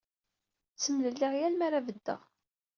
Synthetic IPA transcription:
t͡sːəmləlːiʁjælmaɾavəd̪ːə̰ʁ

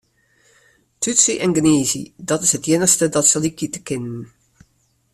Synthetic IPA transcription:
tytsiʔɛnɡəneːzḭdɑtɪsɦətjɪnəχstədɑtsəlikitə̥kɪnən

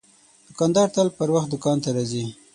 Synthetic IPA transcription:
d̪ʊkɑnd̪ɑɾt̪əlpəɾwaxt̪̚d̪ʊkɑnt̪aɾɑzi

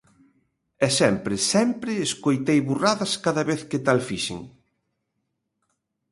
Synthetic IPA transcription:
ɛsɛmpɾɪsɛmpɾɪːskojt̪ejβuraðɐskaðɐβeθkɪt̪alfiʃɪ̰ŋ

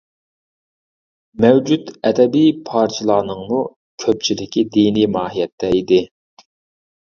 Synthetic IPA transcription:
mɛwd͡ʒud̪ɛd̪ɛbijpʰɑɾt͡ʃʰɨlˠɑːnɨŋmu | kʲʰøp̚t͡ʃʰilɪkʲid̪inimɑːɦijɛt̪ʰːɛid̪ɪ

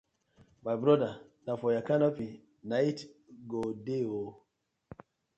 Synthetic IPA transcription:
majbɾɔda | nafɔjakanapi | naitɡodeo

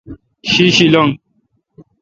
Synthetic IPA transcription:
ʃiʃilɔŋ

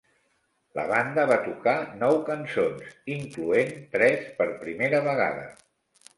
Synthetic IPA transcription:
lə̰βand̪əβat̪ukanɔwkənsonsiŋkluent̪ɾɛspəɾpɾimeɾəβəɣ̞a̰ðə̰

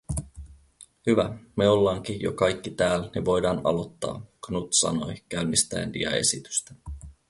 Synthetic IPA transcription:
hyʋæmeolːɑːŋk̟ijo̞kɑjkːit̪æːlniʋo̞jdɑːnɑlo̞t̪ːɑ̰ːknut̪sɑ̰no̞jkæɥmːist̪æ̰ːndḭɑ̰e̞̰sit̪y̥st̪æ

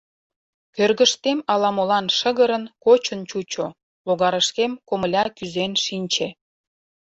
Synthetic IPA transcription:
kørɣəʃt̪emɑlɑmolɑnʃəɣəɾənkot͡ɕənt͡ɕut͡ɕo | loɣɑɾəʃkemkoməlʲɑkyzenʃinʲt͡ɕe

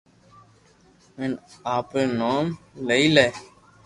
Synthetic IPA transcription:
menaːpɾeːnoːmleiːleː

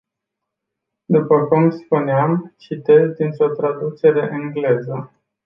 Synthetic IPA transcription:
d̪upəkumspuneamt͡ʃit̪e̞zd̪int̪ɾo̞t̪ɾad̪ut͡ʃe̞ɾe̞ʔɨŋɡle̞zə

